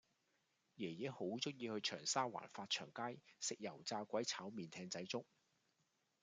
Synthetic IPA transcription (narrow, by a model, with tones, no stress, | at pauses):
jɛː˨˩jɛ˨˥ho˨˥wt͡sɵ˥t̚jiː˧hɵ˧ɥt͡ʃʰœː˨˩ŋsaː˥wa̰ː˨˩nfaː˧t̚t͡ʃʰœ̰ː˨˩ŋkaː˥jsɪ˨k̚jɐ˨˩wt͡saː˧kʷɐ˨˥jt͡sʰaː˨˥wmiː˨nt̪ʰɛː˧ŋt͡sɐ˨˥jt͡sʊ˥k̚